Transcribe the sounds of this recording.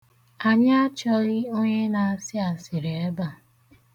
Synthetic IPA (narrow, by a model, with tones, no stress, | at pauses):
a˨ɲa˦t͡ʃɔ˦ɣɪ˦o˦ɲe˦na˨a˦sɪ˦a˨sɪ˨ɾe˨e˦ba˨